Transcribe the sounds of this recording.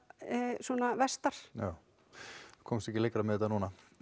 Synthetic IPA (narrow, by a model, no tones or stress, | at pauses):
suɔnavɛst̪aɾ̥jaːw | kʰowmst̪ɛhcɪlejkɾamɛðɛt̪anuːna